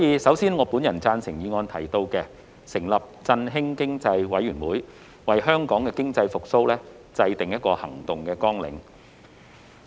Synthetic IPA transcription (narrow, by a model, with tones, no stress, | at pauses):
sɔ˨˦jiː˨˧sɐ˨˥wsiː˥nŋɔː˨˧puː˨˥njɐ˨˩nt͡saː˧nsɪ˨˩ŋjiː˨˧ŋɔː˧nt̪ʰɐ˨˩jt̪o˧wkɛː˧ | sɪ˨˩ŋlɐ˨p̚t͡sɐ˧nɦɪ˥ŋkɪ˥ŋt͡sɐ˧jwɐ˨˥jɥyː˨˩nwuː˨˥j | wɐ˨jɦœː˥ŋkɔː˨˥ŋkɛː˧kɪ˥ŋt͡sɐ˧jfʊ˨k̚so˥wlɛː˥ | t͡sɐ˧jt̪ɪ˨˩ŋjɐ˥t̚kɔː˧hɐ˨˩ŋt̪ʊ˨ŋkɛː˧kɔː˥ŋlɪ̰˨˥ŋ